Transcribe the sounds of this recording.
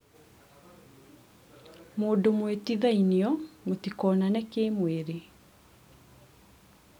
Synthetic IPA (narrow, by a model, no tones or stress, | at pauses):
moːdomwetiðainɔmotikɔːnanɛkemweɾe